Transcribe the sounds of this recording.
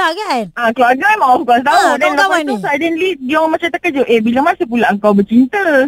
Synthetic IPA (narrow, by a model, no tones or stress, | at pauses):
ɡaʔakəluaɡamaɔfkɔst̪audɛnnloksɔsajdɛnlidɔŋmat͡ʃamt̪akatd͡ʒowʔebilamãsəp̬ulaʔəŋkawbət͡ʃint̪ə